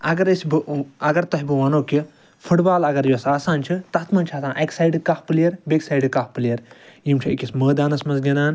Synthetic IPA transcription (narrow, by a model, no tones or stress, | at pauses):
ɐɡɐɾisʲbɨɐɡɐɾt̪ɐɦibɨʋɐnoːki | fʰuʈbaːlɐɡɐɾjuɐsaːsaːnt͡ʃʰit̪ɐt̪ʰmɐnʲt͡ʃʰaːt̪ʰaːnʔɐksaːjɖɨkɐfpɨlɐɾbeksaːjɖɨkafpɨljɐɾjimt͡ʃʰiikʲisməːd̪aːnɐsmɐnzɡʲɐnaːn